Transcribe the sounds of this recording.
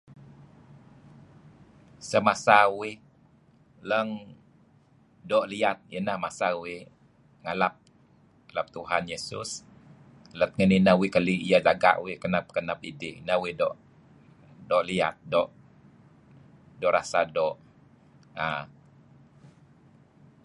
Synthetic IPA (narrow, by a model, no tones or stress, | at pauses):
səmasauwɪh | ləŋ | dɔʔliat̪̚jənahmasauwɪh | ŋalap̚ | alap̚t̪uɦanjesʊ̰s | lət̪̚ŋəninawɪkəliijad͡ʒaɡa̰ʔwɪhkənap̚kənap̚idɪʔinawɪhdɔʔ | dɔʔlia̰t̪̚dɔʔ | dɔʔɾa̰sadɔʔ | a